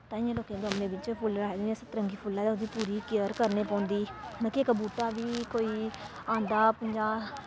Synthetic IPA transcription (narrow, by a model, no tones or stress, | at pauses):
t̪ãːĩːloːkẽːɡəmnẽːbɪt͡ʃpʰʊlɾaːed̪ãsət̪ɾəŋɡiːpʰʊlːãːd̪ãʊd̪iːpuːɾiːkɪjəɾkəɾneːpɔ̃ːnd̪iːnãːkɪekbuːʈaːʋiːkoːiː | ãːnd̪aːpəɲd͡ʒaː